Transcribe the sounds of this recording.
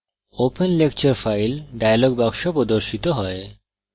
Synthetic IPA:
openlekt͡ɕaɾfajlɖajaloɡ̚bakʃopɾod̪oɾʃit̪oɦɔe

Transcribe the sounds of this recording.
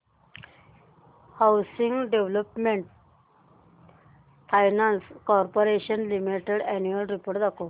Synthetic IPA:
hawsiŋɡɖeʋlopmẽɳʈ̚ | fʰajnãnskɔɾpoɾeɕənlimiʈeɽɛnuəlɾipoːɾʈd̪ako

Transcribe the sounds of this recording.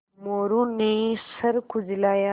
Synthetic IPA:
moːɾunesɐɾkuzilaːja

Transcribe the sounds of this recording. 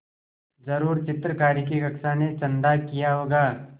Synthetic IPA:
zɐɾuːɾt͡ʃɪt̪ɾəkaːɾik̬iɡɐkʃanet͡ʃɐ̃nd̪akijaɦoːɡaː

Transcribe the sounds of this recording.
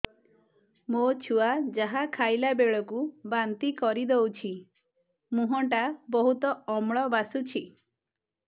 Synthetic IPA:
mot͡ʃʰuad͡ʒaɦakʰajlabeɭɔkubant̪ikɔɾid̪owt͡ʃʰi | mũɦɔɳʈabɔɦut̪ɔɔmɭɔbasut͡ʃʰi

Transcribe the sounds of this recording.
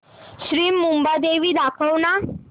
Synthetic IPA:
ɕɾiːmumbad̪eʋiːd̪akʰəwna

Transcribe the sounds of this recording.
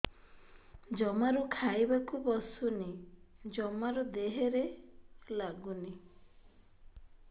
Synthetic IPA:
d͡ʒɔmaɾukʰajbakubɔsunid͡ʒɔmaɾud̪eɦeɾelaɡuni

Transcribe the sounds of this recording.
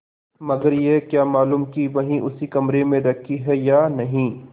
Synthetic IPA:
mɐɡəɾjeɦkjaːmaːluːmkiʋɐɦĩʔʊsikɐmɾemẽɾɐkʰiɦɛjaːnɐɦĩː

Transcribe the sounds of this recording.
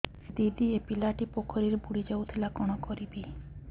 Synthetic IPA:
d̪id̪iepilaʈipokʰɔɾiɾbuɽid͡ʒawt̪ʰilakɔɽ̃ɔkɔɾibi

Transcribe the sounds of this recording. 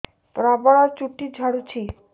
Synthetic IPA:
pɾabaɽaɾt͡ɕuʈːid͡ʑʱaɽut͡ɕʰi

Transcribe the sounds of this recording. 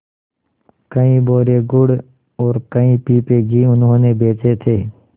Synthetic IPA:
kəĩboːɾeːɡʊɽ | ɔːɾkəĩpiːpeːɡʱiːʊnɦõːnebeːt͡ʃet̪ʰeː

